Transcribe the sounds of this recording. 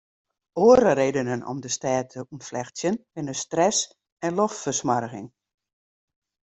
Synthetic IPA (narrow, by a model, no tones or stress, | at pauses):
oəɾəɾeːdənənɔ̰mdəstaːtʰəʔumflɛxsjənbɪnəstrɛs | ɛnloftfərsmarəɣɪ̰ŋ